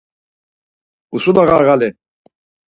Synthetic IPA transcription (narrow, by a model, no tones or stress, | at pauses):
usud̪aɣaɾɣalɛ